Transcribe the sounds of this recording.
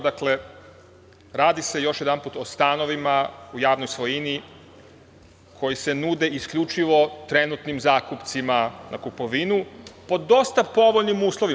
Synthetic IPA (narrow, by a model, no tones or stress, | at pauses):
d̪akle̞ | ɾaːd̪ise̞jo̞ʃjed̪anpuːt̪o̞st̪ano̞ʋimaujaːʋno̞jsʋo̞jini | kʰo̞jise̞nuːd̪e̞iskʎʲut͡ʃiʋo̞t̪ɾe̞nut̪nimzaːkupt̪simanʔakupo̞ʋinupo̞d̪o̞st̪apo̞ʋoʎnimuːslˠoʋi